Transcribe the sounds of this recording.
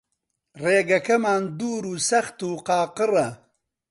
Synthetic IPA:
reːɡɐkɐmaːnd̪uːɾuːsɐxt̪uːqɑːqɨrɐ

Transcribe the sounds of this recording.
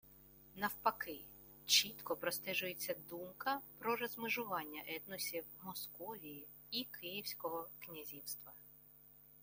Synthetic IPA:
nɐwpɐkɪ | t͡ʃit̪kɔpɾɔst̪ɛʒʊjet͡sʲːɐd̪umkɐpɾɔrɔzmɪʒʊʋɑnʲːɐ̰ʔɛt̪nɔsʲiwmɔskɔʋʲiji | ikʰɪjiwsʲkɔɦɔknʲɐzʲiwst̪ʋɐ

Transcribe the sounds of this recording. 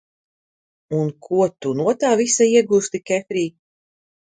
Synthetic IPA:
unkʰuɔt̪unuɔt̪aːvisaiɛɡuːst̪ikʲɛfɾiː

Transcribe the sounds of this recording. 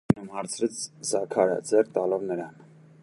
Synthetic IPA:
nɛmhɑɾt͡sʰɾɛt͡sʰzɑkʰɑɾə̰d͡zɛrt̪ɑlɔvnəɾɑn

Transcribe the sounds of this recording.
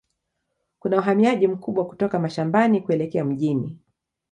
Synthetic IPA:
kunauɦamiaʄim̩kuɓwaku̥tɔkamaʃambanikuɛlɛkɛam̩ʄini

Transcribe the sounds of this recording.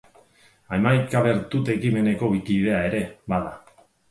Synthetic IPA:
aemajkaβe̞ɾt̪ut̪e̞kime̞ne̞ko̞βikiðe̞ae̞ɾe̞βaða

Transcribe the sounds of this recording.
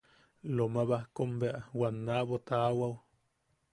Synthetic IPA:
lomaβahkombeʔawanːaʔβot̪awaw

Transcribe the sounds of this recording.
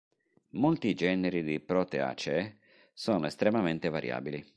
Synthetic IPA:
molt̪id͡ʒɛːneɾid̪ipɾɔt̪ea̰t͡ʃɛ | sɔːnoest̪ɾemament̪evaɾja̰ːbili

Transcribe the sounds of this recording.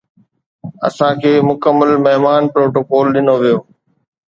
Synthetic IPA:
ɐ̰sãkʰeːmʊkəmːəlmɐɦmaːnpɾoːʈoːkɔːlɗɪnoʋijoː

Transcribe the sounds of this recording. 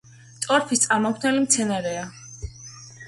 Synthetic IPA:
t̪sʼɔɾpʰist̪sʼaɾmɔkʰnɛlimt̪sʰɛnaɾɛa

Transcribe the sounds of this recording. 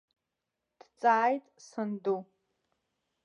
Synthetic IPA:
d̥t͡sʼaːjtʼsɨndu

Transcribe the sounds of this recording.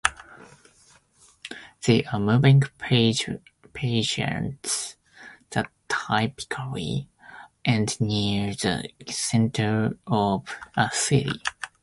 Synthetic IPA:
ð̥eʔəmuːvɪ̃ŋʰ | pʰeɪʃə̰̃nts | ð̥ətʰaɪpɪ̥kʰəlḭ | ʔɛ̃ndniəɹðə̰sɛ̃ntʰə˞ɔvəsɪɾḭ

